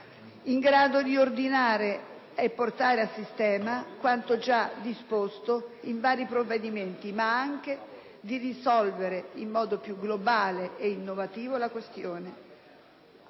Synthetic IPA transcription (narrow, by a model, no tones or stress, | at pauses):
iŋɡɾaːd̪od̪iord̪inaːɾe | epːort̪aːɾeasist̪ɛːmakwant̪od͡ʒad̪ispost̪oiɱvaːɾipɾovːed̪iment̪imaaŋk̟e | d̪irisɔlveɾeimːɔːd̪opjuɡlobaːleʔeinːovat̪iːvolakwest̪joːne